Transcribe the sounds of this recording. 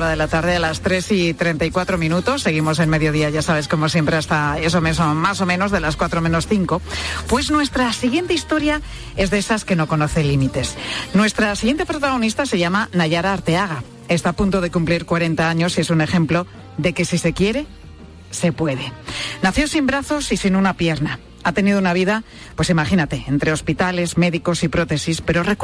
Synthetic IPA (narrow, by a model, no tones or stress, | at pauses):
ɾaðelat̪aɾðe̞alast̪ɾe̞sit̪ɾe̞nt̪aijkwat̪ɾo̞mĩnut̪o̞sːe̞ɣ̞imo̞se̞lme̞ðjo̞ðiaʝasaβ̞e̞sko̞mo̞sje̞mpɾe̞ast̪ae̞so̞mesomaso̞mẽno̞zðe̞laskwat̪ɾomẽ̞no̞sθiŋko̞pwe̞znwe̞st̪ɾasiɣ̞je̞nt̪eist̪o̞ɾja | e̞zðesaske̞no̞ko̞no̞θe̞limit̪e̞snwe̞st̪ɾasiɣje̞nt̪epɾot̪aɣ̞o̞nist̪ase̞ʝamanaʝaɾaːɾt̪eaɣa | e̞st̪aːpunt̪o̞ðe̞kumpliɾkwaɾe̞nt̪aaɲo̞sie̞sune̞xe̞mplo̞ | ðe̞ke̞sise̞kje̞ɾe̞ | se̞pwe̞ðe̞naθjo̞simbɾaθo̞sisinunapje̞ɾna | at̪e̞nið̞ounaβ̞iða | pwesimaxinat̪eent̪ɾe̞o̞spit̪ale̞zme̞ðiko̞sipɾo̞t̪e̞sispe̞ɾo̞re